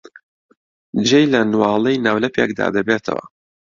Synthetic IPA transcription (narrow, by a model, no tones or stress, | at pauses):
d͡ʒejlɐnwɑːlˠejnaːwlɐpeːk̚d̪a̰ːd̪ɐbeːt̪ʰɐ̰wɐ̰